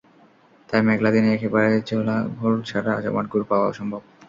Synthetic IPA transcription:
t̪ajmɛɡlad̪ineekʰebaɾet͡ɕolabʱoɾt͡ɕʰaɾaa̰d͡ʑa̰ma̰ʈɡuɾpaoa̰o̰ʃɔmbʱob

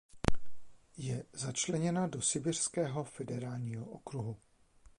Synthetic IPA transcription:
jɛzat͡ʃlɛɲɛnado̞sɪbɪr̥skɛːɦo̞fɛdɛɾaːlɲiːɦoʔokɾuɦu

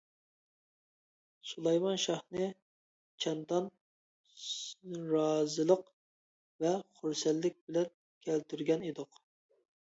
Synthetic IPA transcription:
sulˠɑjmɑnʃɑhnɨ | t͡ʃʰɑnt̪ɑn | ɾɑːzɨlˠəq | vɛχʊɾsɛlːɪk̚ʲbɪlɛn | kʲʰælt̪ʰyɾɡʲɛnid̪ʊq

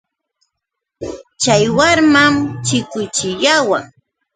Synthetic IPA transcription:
t͡ʃajwaɾmamt͡ʃɪkʊt͡ʃɪʎawaŋ

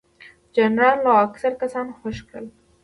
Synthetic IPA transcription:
d͡ʒanɾɑːlːoaksaɾkasɑːnxoʃkɽə̰l

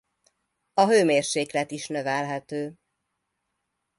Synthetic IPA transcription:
ɒɦøːmeːrʃeːklɛt̪iʃnøvɛlɦɛt̪øː

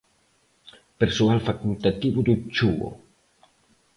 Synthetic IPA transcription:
peɾsualfakult̪at̪ibud̪ut͡ʃːuo̰

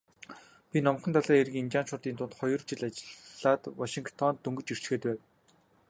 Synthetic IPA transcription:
pʲinɔmχɞ̆nt̪ʰaɮaːerɣʲiːint͡ɕaːnt͡ɕʊrt̪iːnt̪ʊnt̪χɔjɞ̆rt͡ɕɪɮat͡ɕɪ̆ɮːaːt̪waʃiŋkt̪ʰɔnt̪ːɵŋɡɵ̆t͡ɕir̥t͡ɕxeːt̪pæːw

